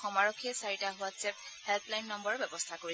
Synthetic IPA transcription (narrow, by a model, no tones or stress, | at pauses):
xɔmaɹɔkʰːiɛsaɹitaɦʊasɛp̚hɛlplajnːɔmbɔɹɔbɛbɔstʰakoɹi